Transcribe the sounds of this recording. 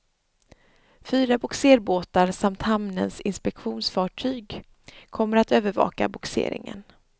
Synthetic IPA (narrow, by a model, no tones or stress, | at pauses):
fyːɾabʊkseːɾboːt̪aɾsamt̪hamnə̰nsɪnspɛkɧuːnsfɑːʈʰyːɡ | kʰɔmːəɾat̪øːvəɾvɑ̰ːka̰bʊksḛːɾɪ̰ŋə̰n